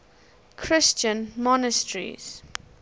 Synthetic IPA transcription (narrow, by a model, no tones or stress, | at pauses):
kʰɹɪst͡ʃə̃nmɔnəstɹḭz̥